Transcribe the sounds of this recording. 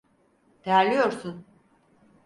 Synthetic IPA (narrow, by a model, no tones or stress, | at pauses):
d̪̥ejæɾlʲijo̞ɾsun